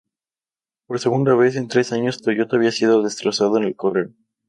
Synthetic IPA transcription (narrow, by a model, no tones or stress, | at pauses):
po̞ɾse̞ɣund̪aβ̞e̞se̞nt̪ɾe̞saɲo̞st̪oʝot̪aβiasiðoðe̞st̪ɾo̞sað̞oene̞lkoreɾ